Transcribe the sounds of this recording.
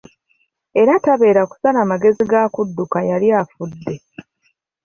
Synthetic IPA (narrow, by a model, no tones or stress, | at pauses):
e̞ɾataβe̞ːɾaku̥salaːmaɡe̞ziɡakudːukajaliafudːe̞